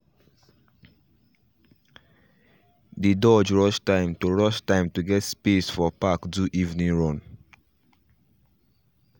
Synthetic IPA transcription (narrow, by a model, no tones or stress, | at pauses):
didɔd͡ʒɹɔʃtãɪ̃mtoɹɔʃtãɪ̃mtuɡɛtspesfɔpakduʔivnĩɹɔ̃n